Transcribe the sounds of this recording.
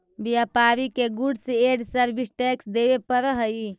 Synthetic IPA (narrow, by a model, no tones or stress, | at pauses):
bijapaːɾikeɡuɖseeːɖsəɾbʱisʈɛːksd̪eːʋepəɾɦəi